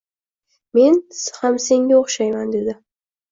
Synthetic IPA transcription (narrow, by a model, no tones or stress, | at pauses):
me̞nhamse̞ŋɡʲaoχʃajmand̪e̞d̪ɪ